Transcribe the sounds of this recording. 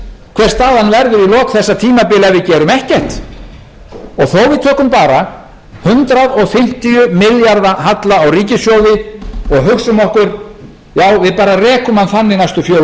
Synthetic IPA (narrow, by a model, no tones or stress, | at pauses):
kʰv̥ɛr̥st̪aːðanvɛɾðʏɾilɔːkθɛsːat̪ʰiːmapɪːlavɪðcɛːɾʏmɛhcɛr̥t̪ | ɔɣθowvɪðt̪ʰœːkʏmpaːɾa | hʏnt̪ɾaðɔɣfɪm̥t̪ijʏmɪljaɾðaɦat̪laawriːcɪsjɔːwðɪɔɣɦʏksʏmɔhkʏɾ̥ | jaːwvɪðpaːɾarɛːkʏmhanθanːɪɣnajst̪ʏfjɔː